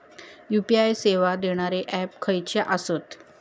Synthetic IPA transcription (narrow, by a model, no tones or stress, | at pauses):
jupiajseʋad̪eɽ̃aɾeʔɛpkʰəjt͡ɕeʔəsət̪